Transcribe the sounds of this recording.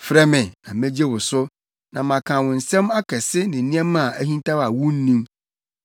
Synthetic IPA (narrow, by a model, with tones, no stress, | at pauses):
fɾɛ˦mɪ̃˨ã˨mẽ˦d͡ʑe˦wʊ˨sʊ˦ | nã˨mã˨kʰã˨wʊ̃˨n̩˨sɛ̃˦ma˦kʰɛ˨sɪ˦nɪ̃˨nĩ˦ɛ̃˦mã˨ʔæ˦hĩ˦n˦tʰa˦wa˨wũ˦n̩˦nĩ˦m